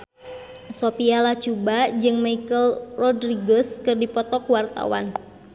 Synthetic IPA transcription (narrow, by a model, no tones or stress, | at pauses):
sopialat͡ʃubad͡ʒɨŋmaikəlrɔdriɡɔskɨrdipɔt̪ɔkuwart̪a̰wa̰n